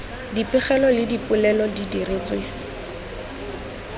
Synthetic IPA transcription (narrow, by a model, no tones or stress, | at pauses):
dipɪχɛlɔlɪdipʼʊlɛlɔdidiret͡swe